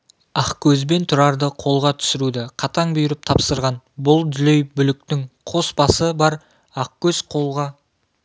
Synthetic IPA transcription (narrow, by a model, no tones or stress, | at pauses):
ɑqkʲʰɵzbe̞nt̪ʰʊɾɑɾd̪əqʰo̞lˠʁɑt̪ʰʏ̥sɪɾud̪ɪqʰɑt̪ɑɴbʏjɪɾɪp̚t̪ʰɑpsəɾʁɑnbʊlˠd̪ʏlejbʏlɪk̚t̪ɪŋqʰo̞spɑsəbɑɾ | ɑq̚kʲʰɵzqʰo̞lˠʁɑ